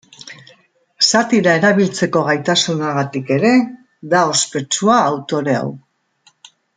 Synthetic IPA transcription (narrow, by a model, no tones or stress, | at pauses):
sat̪iɾae̞ɾaβ̞ilt͡se̞ko̞ɣ̞ajt̪asunaɣat̪ike̞ɾe̞ | d̪ao̞spe̞t͡ʃuaːwt̪o̞ɾe̞a̰w